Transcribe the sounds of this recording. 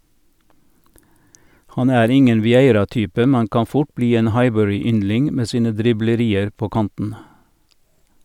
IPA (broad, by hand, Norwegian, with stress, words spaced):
ˈhɑn ˈæːɾ ˈɪŋən ʋɪˈeɪɾɑˌtyːpə ˈmɛn ˈkɑː ˈfʊʈ ˈbliː ˈeːn ˈhɑɪbœɹɪˌʏnlɪŋ ˈmeː ˈsiːnə dɾɪbləˈɾiːəɾ ˈpoː ˈkɑntn̩